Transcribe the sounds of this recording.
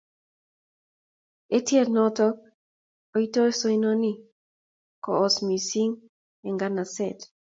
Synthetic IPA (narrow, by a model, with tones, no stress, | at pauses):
e˦tje˦tnɔ˦tɔ˦k̚ | o˦i˦to˦e˦so˦i˦no˦ni˦ | kɔː˨smi˨si˦ŋ | ɛ˨ŋɡana˨sɛt